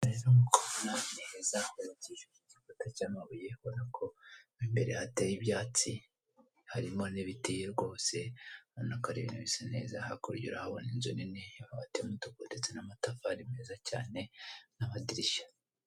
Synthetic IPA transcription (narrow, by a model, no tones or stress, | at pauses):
aɾeɾaŋukoβonanihezaβaɾiciʃemuicifotacaːmaβuje̞βonakʰo̞imbe̞ɾe̞hatejibjaːt͡si | haɾimo̞niβitijeɾɡo̞ːse̞onakaɾiβḭnuβisane̞̰ːzahakuɾɟṵɾahaβo̰ninzoninejaβaβatemutukudet͡senamatafaɾimeːzaca̰ːne̞naβadiɾiʃḁ